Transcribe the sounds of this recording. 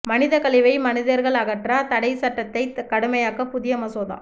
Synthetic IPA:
mɐnɪðɐkɐɭɪʋɐɪmɐnɪðɐɾɣɐɭɐɣɐʈraːt̪ɐɽɐɪsɐʈːɐt̪ːɐɪkɐɽɯmɐjaːɣɐpʊðɪjɐmɐsoːða̰ː

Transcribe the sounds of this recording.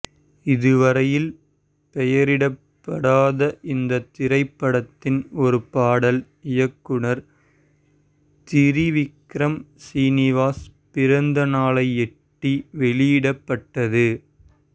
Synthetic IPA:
ɪðɯʋɐɾɐjɪl | pɛjɐɾɪɽɐpːɐɽaːðɐʔɪnd̪ɐt̪ːɪɾɐɪpːɐɽɐt̪ːɪnɔɾɯpaːɽɐl | ɪjɐkːɯɳɐɾ | t̪ɪɾiʋɪkɾɐmsiːnɪʋaːspɪɾɐnd̪ɐnaːlɐɪɛʈːiʋɛɭɪjɪɽɐpːɐʈːɐðɯ

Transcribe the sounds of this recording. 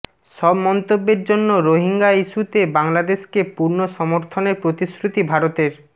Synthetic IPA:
ʃɔbmɔnt̪obːeɾd͡ʑonːoɾoɦiŋɡaiʃut̪ebaŋlad̪eʃkepuɾnoʃɔmoɾt̪ʰoneɾpɾot̪iskɾut̪ibʱaɾot̪eɾ

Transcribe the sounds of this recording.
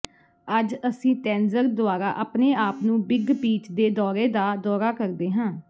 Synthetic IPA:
əd͡ʒəsĩːt̪ɛ̃ːnzəɾd̪ʊaːɾaːʔaːpneːaːpnũːbɪɡpiːt͡ʃd̪eːd̪ɔːɾeːd̪aːd̪ɔːɾaːkəɾd̪eːɦãː

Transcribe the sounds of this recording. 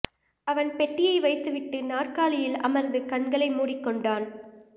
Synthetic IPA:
ɐʋɐnpɛʈːɪjɐɪʋɐɪt̪ːɯʋɪʈːɯnaːrkaːlɪjɪlɐ̰mɐɾnd̪ɯkɐɳɡɐɭɐɪmuːɽɪkːɔɳɖaːn

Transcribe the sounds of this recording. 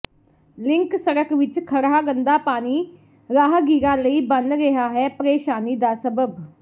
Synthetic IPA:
lɪŋksəɾəkʋɪt͡ʃkʰəɾaːɡənd̪aːpaːniː | ɾaːɦɡiːɾãːləiːbənɾɪɦaːɦɛːpəɾeːʃaːniːd̪aːsəbəb

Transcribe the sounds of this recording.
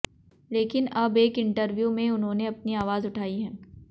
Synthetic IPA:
leːkɪnɐbeːkɪ̃ɳʈəɾʋjumẽʊnɦõːneɐpniaːʋaːzʊʈʰaːiɦɛ̃ː

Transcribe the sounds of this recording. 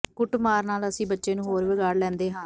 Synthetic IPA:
kʊʈmaːɾnaːləsĩːbətːʃeːnũːɦoːɾʋɪɡaːɽlɛ̃ːnd̪eːɦãː

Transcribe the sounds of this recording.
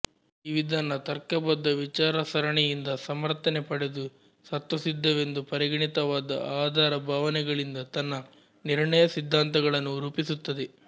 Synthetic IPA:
iʋid̪ʱaːnːɐt̪ɐɾkɐbɐd̪ːɐʋit͡ʃaːɾɐsɐɾɐɳɛjind̪ɐsɐmɐɾt̪ɐnepɐɽed̪u | sɐt̪ʋɐsid̪ʱːɐʋe̞nd̪upɐɾiɡɐɳit̪ɐʋaːd̪ɐ̰aːd̪ʱaːɾɐbʱaːʋɐnɛɡɐɭind̪ɐt̪ɐnːɐ | niɾɳɐjɐsid̪ʱːaːnt̪ɐɡɐɭɐnːuɾuːpisut̪ːɐd̪e

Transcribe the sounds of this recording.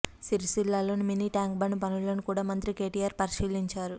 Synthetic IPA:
siɾisilːaːlo̞ːnuminiːʈaːŋkbɐɳɖupɐnulːɐːnikuːɽaːmɐnt̪ɾike̞ːʈijaːɾpɐɾiʃiːliɲt͡ʃaːɾu

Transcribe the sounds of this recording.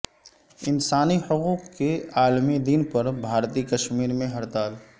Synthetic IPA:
ɪnsaːnihʊquːqkːeaːlmid̪inpɐɾbʱaːɾt̪ikɐʃmiːɾmẽɦɐɾt̪aːl

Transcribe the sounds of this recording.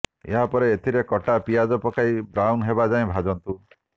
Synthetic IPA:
ḛɦapɔɾeːt̪ʰiɾekɔʈapijad͡ʒɔpɔkaibɾawnɦebad͡ʒaẽbʱad͡ʒɔnt̪u

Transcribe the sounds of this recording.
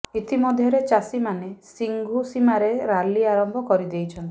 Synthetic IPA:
it̪ʰimɔd̪ʱjɔɾet͡ʃasimanesiŋɡʱusimaɾeɾaliaɾɔmbʱɔkɔɾid̪ejt͡ʃʰɔnt̪i̥

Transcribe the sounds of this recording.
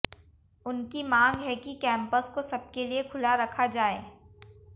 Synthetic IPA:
ʊnkimãːŋɡɦɛkikɛ̃ːmpəskosɐb̚keliekʰʊlaɾɐkʰad͡ʒaːḛː

